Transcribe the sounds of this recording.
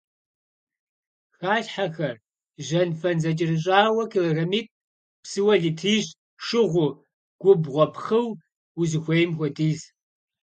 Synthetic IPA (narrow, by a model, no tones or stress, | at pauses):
xaːɬħaxɐr | ʒɐnfɐnzɐt͡ʃʼɪrɨɕ̬ʼaːwɐkʰilɐɣɐmiːtʼ | psɨwɐɮiːtʰiːʒ | ʂɨʁʷʊ | ɡ̥ʷʊbʁʷɔpʰχɨw | wuzɨxʷejmxʷɔtʰʼiːz